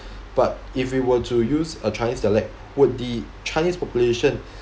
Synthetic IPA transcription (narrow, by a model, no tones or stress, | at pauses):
b̥at̚ifwiwətʰujuzət͡ʃajnisdalɛk̚ | wʊt̚di | t͡ʃʰaɪnispɔpjuleʃə̃n